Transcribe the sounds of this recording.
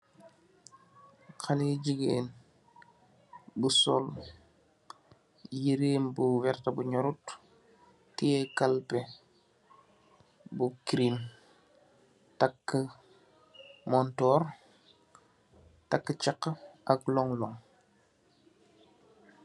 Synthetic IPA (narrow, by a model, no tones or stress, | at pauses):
kaliɟiɡeːn | busɔ̰l | jiɾeːmbuwɛrtabuɲɔɾutː | iɛkalpe | bukɾim | takːə | mɔntɔːɾ | takːət͡ʃakːəʔaklɔŋlɔŋ